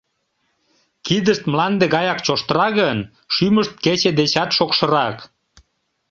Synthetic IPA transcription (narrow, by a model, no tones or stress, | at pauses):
kid̪əʃt̪mlɑnd̪eɣɑjɑkt͡ɕoʃt̪əɾɑɣən | ʃyməʃt̪̚ket͡ɕed̪et͡ɕɑt̪ʃokʃə̆ɾɑk